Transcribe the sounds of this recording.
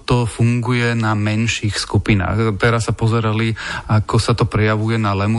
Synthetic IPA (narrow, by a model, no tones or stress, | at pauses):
t̪ɔfuŋɡujɛnamɛnʃiːxskupina̰ːxt̪ɛɾasːapɔzɛɾaliakɔsat̪ɔpɾɛjaʋujɛnalɛmu